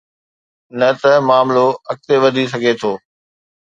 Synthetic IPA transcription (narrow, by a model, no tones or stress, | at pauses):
nɐt̪ɐmaːmloɐk̚t̪eʋɐd̪ʱis̬ɐɡʱet̪ʰoː